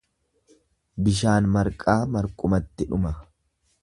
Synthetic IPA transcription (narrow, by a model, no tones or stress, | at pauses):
bɪʃ̬aːnmɐɾkʼaːmɐɾkʼʊmɐt̪ːɪᶑʊmɐ